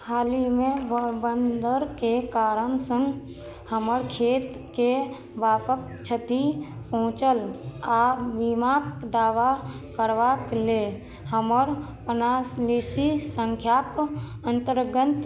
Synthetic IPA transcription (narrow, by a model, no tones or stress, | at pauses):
haːlimẽbənd̪əɾkekaːɾənsə̃ŋɡ | həməɾkʰeːt̪ | ke | ʋaːpək̚ | t͡ʃʰət̪ipəɦʊ̃t͡ʃəlaːbimakd̪aːʋa | kəɾʋakle | həməɾpənasleːsisə̃ŋkʰjakənt̪əɾɡət̪